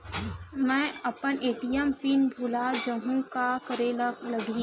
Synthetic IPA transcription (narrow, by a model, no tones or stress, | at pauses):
mɛ̃ːɐpənʔeːʈijəmpinbʱʊlad͡ʒəɦũkakəɾelɐɡĩ